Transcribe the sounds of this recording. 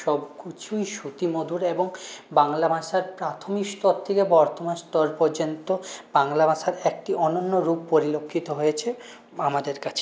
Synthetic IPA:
ʃɔbkit͡ɕʰujʃut̪imod̪uɾeboŋbaŋlabaʃaɾpɾat̪ʰomikst̪ɔɾt̪ʰekebɔɾt̪omanst̪ɔɾpoɾd͡ʑont̪ob̥aŋlabaʃaɾekʈiʔɔnonːoɾuppːoɾilokʰːit̪oɦojet͡ɕʰe | amad̪eɾkat͡ɕʰe̥

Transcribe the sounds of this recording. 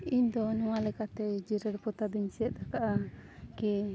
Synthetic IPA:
iɲd̪ɔnɔ̃walɛkat̪ɛd͡ʒiɾəɾpɔt̪ad̪iɲsɛt̪̚akaʔaki

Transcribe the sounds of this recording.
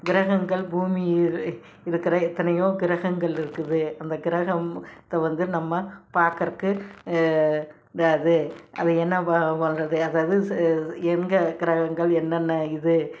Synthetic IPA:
ɡɪɾɐɣɐŋɡɐɭbuːmɪjɪ | ɪɾɯkːɪɾɐɪt̪ːɐnɐjoːɡɪɾɐɣɐŋɡɐɭɪɾɯkːɯðɯɐnd̪ɐɡɪɾɐɣɐmt̪ːɐʋɐnd̪ɯnɐmːɐpaːɾkɐɾkɯ | ɾaðɯʔɐðɯɛnːɐpɐpɐnrɐðɯɐðaːʋɐðɯɛŋɡɐɡɪɾɐɣɐŋɡɐɭɛnːɐnːɐɪðɯ

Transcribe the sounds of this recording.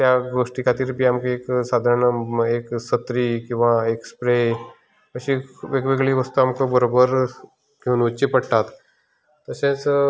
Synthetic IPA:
t̪jaɡoʂʈikat̪iːɾpiːamkeeksad̪ʱaɾɳəeksət̪ɾikĩw̃ʋaekspɾe | əɕĩʋeɡʋeɡɭiːʋəst̪uamkəbəɾobəɾ | kenut͡ɕipəɽʈ̪at̪ː | əsẽt͡s

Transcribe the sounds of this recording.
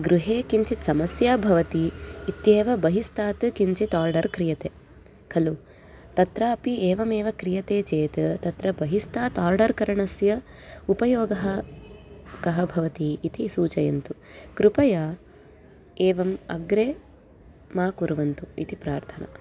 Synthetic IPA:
ɡɾuɦeːkiɲt͡ʃit̪sɐmɐsjaːbʱɐʋɐt̪iːt̪jeːʋɐbɐɦist̪ʰaːt̪ɨkiɲt͡ʃit̪aːɾɖɐɾkɾijɐt̪eː | kʰɐlu | t̪ɐt̪ɾɐɐpieːʋɐmeːʋɐkɾijɐt̪eːt͡ʃeːt̪ɐt̪ɐt̪ɾɐbɐɦist̪aːt̪aːɾɖɐɾkɐɾɐɳɐsjɐ | upɐjoːɡɐɦɐ | kɐɦɐbʱɐʋɐt̪iːt̪isuːt͡ʃɐjɐ̰nt̪ukɾupɐjaː | eːʋɐmɐ̰ɡɾeː | maːkuɾʋɐnt̪uḭt̪ipɾaːɾt̪ʰɐnɐ̰

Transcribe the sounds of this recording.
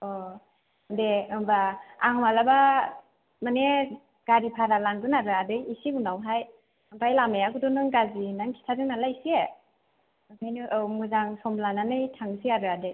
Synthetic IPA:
ɔ | deɯmbaaŋmalaba | mane | ɡ̥aɾipʰaɾalaŋɡɯnaɾɯadɯjisiɡunawɦaj | ɯmpʰajlamejakudɔnɯŋɡazinaŋkʰi̥tʰadɯŋnalajsie | ɯkʰajnɯʔɯwmuzaŋsɔmlananɯjtʰaŋsiaɾɯadɯj

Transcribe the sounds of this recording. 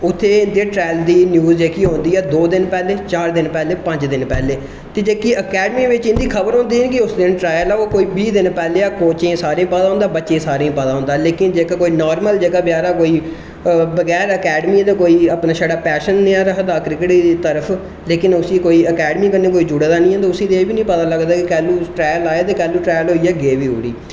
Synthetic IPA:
ʊt̪ʰːeːɪnd̪eːʈɾɛːld̪iːnjuːzd͡ʒeːkiːɦõːnd̪iːɛːd̪oːd̪ɪnpɛːleːt͡ʃaːɾd̪ɪnpɛːleːpə̃ɲd͡ʒd̪ɪnpɛːleː | t̪eːd͡ʒeːkiːəkɛːɖmiːʋɪt͡ʃɪ̃nd̪iːkʰəbəɾɦõːnd̪iːɦənkɪʊsd̪ɪnʈɾaːjəlɛoːkoːiːbiːd̪ɪnpɛːleːaːkoːt͡ʃẽːsaːɾẽːpad̪aɦõnd̪aːbətːʃẽːsaːɾẽːpaːd̪aːɦʊ̃ːnd̪aːleːkɪnd͡ʒeːkaːkoːiːnaːɾməld͡ʒeːkaːbjaːɾaːkoːiː | bəɡɛːɾəkɛːɖmiːd̪aːkoːiːaːpnaːʃaːɽaːpɛːʃənːeãːɾəɦd̪aːkɾɪkɪʈiːt̪əɾəpʰ | leːkɪnʊsiːkoːiːəkɛːɖəmiːkənːeːkoːiːd͡ʒuːɽaːd̪aːnĩːɦə̃ːd̪aːʊsiːd̪eːbiːnĩːpət̪aːləɡd̪aːkɪkɛːlũːʈɾɛːjəlaːjeːt̪eːkɛːlːuːʈɾɛːjəlɦoːiːɛːɡeːʋiːɦo̰ːɽḭː

